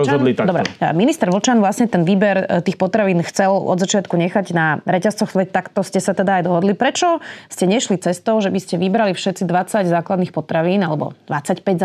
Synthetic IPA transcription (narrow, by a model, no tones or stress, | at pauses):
ɔd̪lid̪ɔbɾɛ̰minist̪ɛɾʋl̩t͡ʃanʋlasɲɛt̪ɛnʋiːbɛɾt̪iːxpɔt̪ɾaʋiːnxt͡sɛlɔ̰d̪zat͡ʃɪat̪kuɲɛxaɟnaɾɛcast͡sɔxsʋɛct̪akt̪ɔscɛsat̪ɛd̪aːjd̪ɔɦɔd̪lipɾɛt͡ʃɔscɛɲɛʃlit͡sɛst̪ɔʊʒɛbiscɛʋibɾalifʃɛt̪t͡sid̪ʋat͡saɟzaːklad̪niːxpɔt̪ɾaʋiːnalɛbɔ̰d̪ʋat͡sacpɛɟz